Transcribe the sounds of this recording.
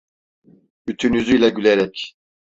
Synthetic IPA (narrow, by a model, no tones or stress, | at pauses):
byt̪ʰynyzyjlʲaɟyleɾɛc